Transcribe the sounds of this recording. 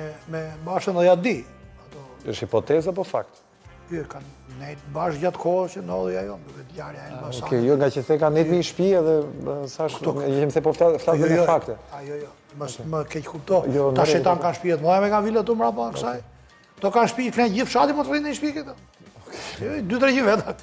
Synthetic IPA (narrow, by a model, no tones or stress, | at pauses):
mɛmɛbaʃənd̪ɔjad̪iat̪ɔəʃhipɔt̪ɛzapɔfa̰k̚t̪ | kikan | nɛjt̪baʃɟat̪kʰɔəst͡ʃənd̪ɔðˠijajɔnd̪uvɛt̪jaɾjaɛaɔakɛjɔŋɡat͡ʃəθɛkanɛt̪miʃpiɛðɛsaʃʃkt̪uɛɛmθɛpɔfaflazɛɔafakt̪ɛajɔjɔ | məməkɛckup̚t̪ɔjɔnt̪aɾʃɛt̪ankanʃpiɛt̪mɔjamɛkavilat̪̬umɾap̬aksaj | at̪ɔkanʃpiflɛnɟifʃat̪imɔt̪ɾiniʃpikɛt̪ɔ | ɔkɛd̪yt̪̬ɾɛcimvɛt̪a